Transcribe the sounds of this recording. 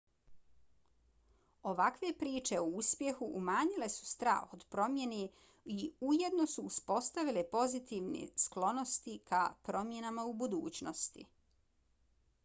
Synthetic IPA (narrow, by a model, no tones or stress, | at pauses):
o̞ʋakʋe̞pɾiːt͡ʃe̞ouspje̞xuʔːmaːɲile̞su̥st̪ɾa̰ːxod̪pɾo̞mje̞ne | iuje̞d̪no̞suːspo̞st̪aʋilepo̞zit̪iʋnḛsklo̞no̞st̪ikʰapɾo̞mje̞namaubud̪ṵːt͡ɕnost̪ḭ